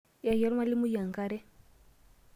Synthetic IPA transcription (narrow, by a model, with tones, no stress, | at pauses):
ja˨ja˨˦ɾma˦li˦mu˦ja˨ŋɡa˦ɾɛ˦